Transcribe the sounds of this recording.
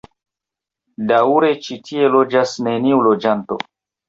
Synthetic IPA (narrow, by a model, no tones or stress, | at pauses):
dauɾe̞t͡ʃitʰie̞lo̞d͡ʒasne̞niulod͡ʒanto̞̰